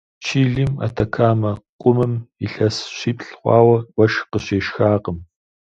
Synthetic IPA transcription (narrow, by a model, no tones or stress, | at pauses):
t͡ʃʰiːɮima̰ːtʰɐkʰaːmɐqʷʼʊmɨmiɬɐsɕiːpʰʼɬχʷɑ̰ːwɐwʷɐʃqəɕeːʃxaːqəm